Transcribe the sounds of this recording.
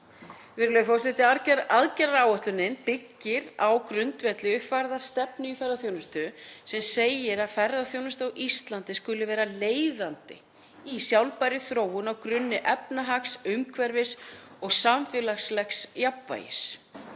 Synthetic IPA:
vɪɾʏlœjʏfɔwsɪt̪ɪaɾcɛɾaðcɛɾɾaːwœht̪lʏnɪnpɪcːɪɾawkɾʏnt̪vɛt̪lɪʏhfaɾðast̪ɛpnʏifɛɾðaθjoːwnʏst̪ʏsɛmseːjɪɾaðfɛɾðaθjownʏst̪owʔist̪lant̪ɪskʏlɪvɛːɾaleːjðant̪ɪ | isjawlpajɾɪθɾoːwʏnawkɾʏnːɪʔɛpnaɦaksʏmkʰvɛɾvɪsɔɣsamfjɛlaxslɛxsjapva̰ːjɪ̰s

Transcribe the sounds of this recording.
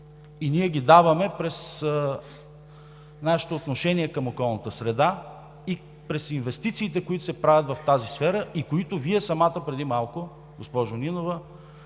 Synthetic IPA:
iniɛɡ̟ʲid̪avɐmɛpɾɛs | naʃi̥t̪oːt̪noʃɛniɛkɐmokɔlˠnət̪əsɾɛd̪a | i | pɾɛsinvɛst̪it̪siːt̪ɛkoit̪ʊ̥sɛpɾavʲjɐt̪vɐft̪azisfɛɾəʔikoit̪ʊviɛsɐmat̪əpɾɛd̪imalˠkʊ | ɡospɔʒʊninovə

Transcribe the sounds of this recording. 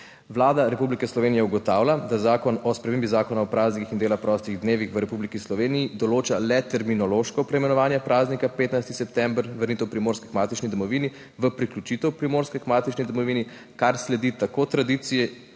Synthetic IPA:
ʋlaːd̪aɾɛpublikɛslɔʋeːnijɛuɡɔt̪aːwlʲad̪azaːkɔnɔspɾɛmeːmbizaːkɔnaɔpɾaːznikixind̪eːlaxpɾɔst̪iɣd̪neːʋixʋəɾɛpublikislɔʋeːnijid̪ɔloːt͡ʃalɛt̪ɛɾminɔloʃkɔpɾɛimɛnɔʋaːnjɛpɾʔaːznikapeːt̪najst̪isɛpt̪ɛmbɾʋəɾnit̪ɛwpɾimoːɾskɛkmaːt̪it͡ʃnid̪ɔmɔʋini | ʋəpɾiklʲut͡ʃit̪ɛwpɾimoːɾskɛkmaːt̪it͡ʃnid̪ɔmɔʋiːni | kaɾslɛd̪it̪akoːt̪ɾad̪it̪sijɛ

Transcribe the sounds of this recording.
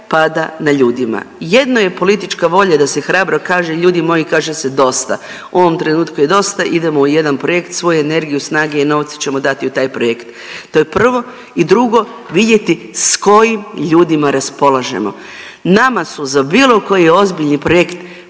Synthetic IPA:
pad̪anaʎuːd̪ima̰je̞d̪noje̞po̞lit̪it͡ʃkaʋo̞ʎad̪ase̞xɾaːbɾo̞kaːʒeʎuːd̪imo̞jikaːʒesed̪o̞st̪a̰ | uo̞ʋo̞mt̪ɾe̞nuːt̪kuje̞d̪o̞st̪aʔid̪e̞mouje̞d̪anpɾo̞jekt̪sʋo̞juene̞ɾɡijusnaːɡeino̞ʋt̪si̥t͡ɕe̞mo̞d̪at̪iut̪aːjpɾojekt̪ | t̪ːo̞je̞pr̩ʋo̞ | id̪ɾuɡo̞ | ʋid̪je̞t̪i | sko̞jimʎuːd̪imaɾaspo̞lˠaʒe̞̰mo̞̰ | namasuzabiːlˠo̞ko̞jio̞zbiʎnipɾojekt̪

